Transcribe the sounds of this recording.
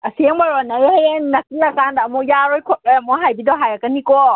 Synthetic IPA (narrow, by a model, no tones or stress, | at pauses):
asiɛŋbaɾɔnajɛhajɛnakilakandamɔjaɾɔjkʰɔt̚ɔjamɔɦajbidɔɦajakanikɔ